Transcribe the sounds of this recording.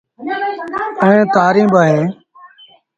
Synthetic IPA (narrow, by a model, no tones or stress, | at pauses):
əẽːt̪aːɾĩːbaːɦẽː